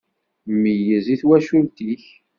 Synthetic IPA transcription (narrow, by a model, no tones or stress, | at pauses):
məjəziθwæʃult̪iç